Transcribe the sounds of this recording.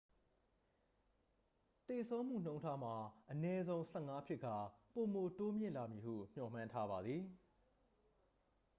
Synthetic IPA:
t̪e˨sʰõ˦ʊ̃m̥ṵ˦˨n̥õ˦ʊ̃ntʰa˦m̥a˨ʔənɛ˦zõ˦ʊ̃sɛ˦˨ŋa˦pʰjɪ˦ʔkʰːa˨po˨mo˨to˦mjɪ̰̃˦˨la˨mji˨hṵ˦˨m̥jɔ̰˦˨m̥ã˦ntʰa˦ba˨d̪ði˨

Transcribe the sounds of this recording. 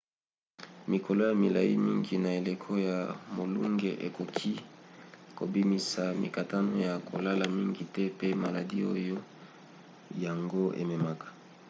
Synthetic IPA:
mi˨ko˨lo˦ja˨mi˨la˨i˦mi˦ŋɡi˨na˨e˨le˨kʰo˦ja˨mo˨lu˦ŋɡe˨ʔe˨ko˨kʰi˦ | ko˨bi˦mi˨sa˨mḭ˨ka˨ta˦no˦ja˨kʰo˨la˦la˨mi˦ŋɡi˨tɛ˦pe˦ma˨la˨di˦o˦jo˦ | ja˨ŋɡo˦ʔḛ˨me˨ma˨kḁ˨

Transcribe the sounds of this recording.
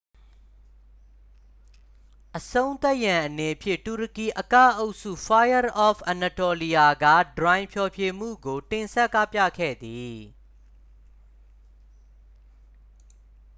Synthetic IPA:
ʔəsõ˦ʊ̃nt̪a˦ʔjã˨ʔəne˨pʰjɪ̃˦˨tu˨ɾə˨ki˨ʔəka̰˦˨ʔo˦ʔsṵ˦˨fa˦jə˦ɹʔɔ˦˨fʔa˨na˨to˨li˨ja˨ɡä̰˦˨dɹã˨ɪ̃mpʰjɔ˨pʰje˨m̥ṵ˦˨ɡo˨tɪ̃˨nsɛ˦ʔkːa˦˨pjä̰˦˨kʰɛ̰˦˨d̪i˨

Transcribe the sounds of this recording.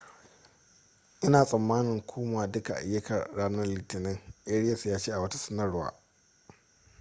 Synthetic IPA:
ʔɪ˦naː˨sʼɐ˨mːaː˦nɪ˨ŋkʷʰoː˦maː˨dʊ˦ka˨ʔa̰˨jːɐ˦kʰɐ˨rːaː˦nɐ˦rliː˨tɪ˨nɪ˦ŋʔe˦ɽɪ˦jɐ˨sjaː˦t͡ʃeː˦ʔa˨wɐ˦tḁ˦sɐ˦nɐ˦rwa̰ː˨

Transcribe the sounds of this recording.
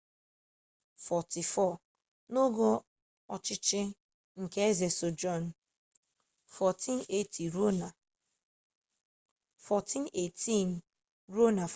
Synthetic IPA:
fɔ˨ti˨fɔ˦˨ | no˦ɡɔ˦ | ɔ˨t͡ʃɪ˦t͡ʃɪ˦ | ŋ̩˨ke˦e˦ze˨so˨d͡ʒɔ˦˨n˨ | fɔ˨ti˦n˦e˦˨ti˨ɾo˦na˨ | fɔ˨tʰi˦ne˨tʰi˦˨n˨ | ɾo˦na˨

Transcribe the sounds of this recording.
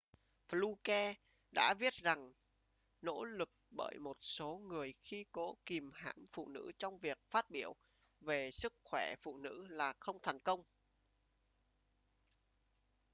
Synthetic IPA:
flu˧kɛ˧ | ɗa̰ː˧˥ɓi˦˥ət̚za˨˩ŋ | no̰˧˥lɨ˨˩k̚ɓə̰ː˧˩jmo˨˩t̚so˨˦ŋɨ˨˩əjxi˧ko˧˨˦ki˨˩mha̰ː˧˩mfṵ˧˨nɨ̰˧˥t͡ɕɔ˧wŋ͡mvi˨˩ək̚faː˦˥t̚ɓi˧˩əw | ve˨˩sɨ˦˥k̚xwɛ˧˩fṵ˧˨nɨ̰˧˥laː˨˩xə˧wŋ͡mt̪ʰɛ˨˩jŋkə˧wŋ͡m

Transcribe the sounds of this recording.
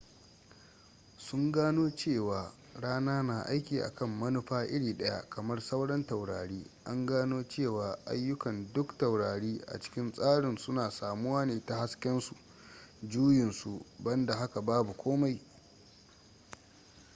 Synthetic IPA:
sʊ˦ŋɡaː˦noː˦t͡ʃeː˦˨waː˨ | ɽaː˦naː˦na˨ʔa̰˦jkʲiː˨ʔa̰˨kɐ˦mːɐ˦nʊ˦ɸaː˦ʔɪ˦ɽiː˨ɗɐ˦ja̰˦kɐ˨mɐ˦rsɐ˦wɽɐ˦ntɐ˨wɽaː˨ɽiː˦ʔa˦ŋɡaː˦noː˦t͡ʃeː˦˨waː˨ʔa̰˦jːʊ˦kɐ˨ndʊ˦kta˨wɽaː˨ɽiː˦ʔa̰˨t͡ʃɪ̥˦kʲɪ˦nsʼaː˦ɽɪ˨nsʊ˦naː˨saː˨mʊ˦waː˦neː˨ta˨ha˦skʲɛ˦nsu˨ʔ | d͡ʒuː˦jɪ˨nsu˨bɐ˦nda˨ɦa˦ka˨baː˦bu˨kʷʰoː˦ma˦j

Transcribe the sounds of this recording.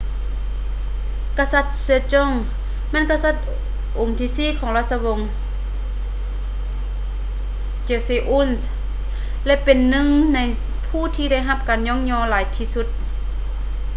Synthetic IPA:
ka˧sa˧t̪̚se˧˦t͡ɕɔ˧˥˩ŋ | mɛ˧˥˨nka˧sa˧˩t̪̚ | ʔo˨˩ŋt̪ʰiː˧˩siː˧˥˨kʰɔː˨˦ŋla˧˩t̪̚sa˧wo˧˨ŋ | t͡ɕe˧seː˧˩ʔu˧˥˨ns | lɛ˧˨ʔpe˨nːɯ˧˥ŋna˧j | pʰuː˧˩t̪ʰiː˧da˧˥˩jɦa˧p̚kaː˨nɲɔː˧˥˨ŋɲɔː˧˨laː˨˦jt̪ʰiː˧su˧˥t̪̚

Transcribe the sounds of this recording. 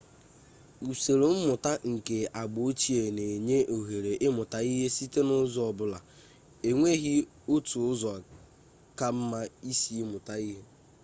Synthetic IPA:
u˨se˨ɾo˨m̩˦mʊ˨ta˦ŋ̩˨ke˨a˨ɡ͡bʊ˨o˦t͡ʃi˦e˨ne˨ɲe˦ʔo˨ɦe˨ɾe˨ʔɪ˦mʊ˨ta˨i˦ɦe˦si˦te˦nʊ˦zɔ˨bʊ˨la˨ | e˨ŋʷe˦ɦi˦ | o˦tu˨ʊ˦zɔ˨a˨ | ka˦m̩˦ma˦i˦si˨˦mʊ˨ta˦i˦ɦe˦

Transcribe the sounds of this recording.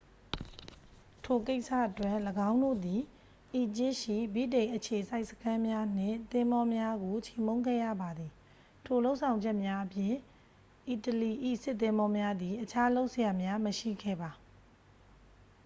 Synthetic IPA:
tʰo˨ke˦ɪʔsä̰˦˨ʔətwɛ˦ʔləɡã˦ʊ̃ndo̰˦˨d̪i˨ | ʔi˨t͡ɕɪ˦ʃḭ˦˨bi˦˨dẽ˨ɪ̃ʔət͡ɕʰe˨sa˦ɪʔsə̥kʰã˦mja˦n̥ɪ̰̃˦˨nt̪ɪ̃˦mbɔ˦mja˦ɡo˨t͡ɕʰe˨mõ˦ʊ̃ŋɡɛ̰˦˨jä̰˦˨ba˨d̪i˨ | tʰo˨lo˦ʊʔsʰã˨ʊ̃ɲd͡ʑɛ˦ʔmja˦ʔəpjɪ̃˨ | ʔi˨təli˨ʔḭ˦˨sɪ˦ʔt̪ːɪ̃˦mbɔ˦mja˦d̪i˨ʔət͡ɕʰa˦lo˦ʊʔsəja˨mja˦məʃḭ˦˨ɡɛ̰˦˨ba˨

